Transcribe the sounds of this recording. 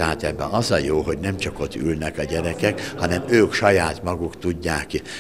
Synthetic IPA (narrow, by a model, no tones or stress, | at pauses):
ɛɦaːt̪ɛbːɛ̰ɒzɒjoːɦo̞ɟnɛmt͡ʃɒko̞t̪ːylnɛkɒɟɛɾɛkɛkhɒnɛmøːkʃɒjaːt̪mɒɡukt̪uɟːaːki